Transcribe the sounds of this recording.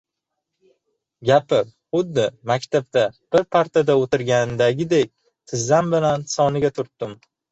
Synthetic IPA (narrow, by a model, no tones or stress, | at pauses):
ɡʲapɪɾχʊd̪ːɪmakʲt̪ʰab̚t̪ab̥ɪɾpʰaɾt̪ʰad̪aot̪ɪɾɡʲand̪aɡʲɪd̪ek̚ʲ | t̪ʰɪzːambɪlansɒnɪɡʲat̪ʰʊɾt̪ːɪm